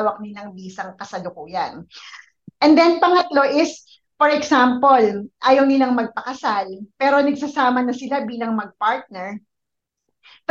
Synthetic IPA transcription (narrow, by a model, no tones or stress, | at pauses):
wɐk̚nɪlɐŋbiːsɐŋkɐsɐlʊkuːjɐn | ʔɛnd̪ɛnpɐŋɐt̪lo̞ʔɪs | fɔɹɛɡsampolʔaːjɐwnɪlaŋmɐɡ̚pɐkɐsalpɛːɾo̞nɐɡ̚sɐsaːmɐnɐsɪlabiːlɐŋmɐɡ̚paɹt̪̚nɛɹ